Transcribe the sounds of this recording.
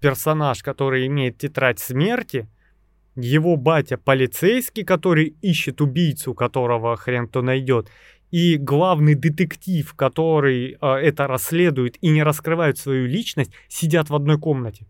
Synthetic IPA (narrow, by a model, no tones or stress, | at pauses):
pʲɪrsɐnaʂkɐt̪o̞ɾɨjɪmʲejɪt̪̚tʲɪt̪ɾatʲsmʲe̞rtʲɪ | jɪvo̞batʲəpəlʲɪt̪sejskʲɪjkɐt̪o̞ɾɨjiɕːɪt̪ʊbʲijt̪sʊkɐt̪o̞ɾəvəxɾʲemk̚t̪onɐjdʲo̞t̪ | iɡlˠavnɨjd̪ʲɪt̪ɨktʲifkɐt̪o̞ɾɨjɛt̪əɾɐsʲːlʲe̞d̪ʊjɪt̪inʲɪɾəskɾɨvajʊt̪svɐjulʲit͡ɕnəsʲtʲsʲɪdʲat̪vɐd̪no̞jko̞mnətʲɪ